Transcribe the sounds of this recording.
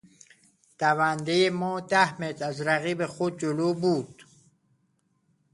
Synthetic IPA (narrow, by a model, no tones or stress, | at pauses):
d̪̥ævænd̪ejemɔːd̪æhmet̪ʰæzɾæɣiːbexod̪̚d͡ʒoloːbuːd̪̥